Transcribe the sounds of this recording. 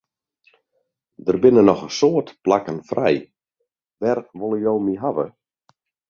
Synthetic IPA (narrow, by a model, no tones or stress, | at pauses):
dərbɪnənɔxəsoətplakənfrɛ̰j | ʋɛrʋolˠəjowmiɦaʋə̰